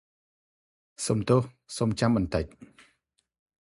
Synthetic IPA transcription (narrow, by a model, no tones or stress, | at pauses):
somt̪ʊːh | somt͡ɕamɓɑnt̪əc̚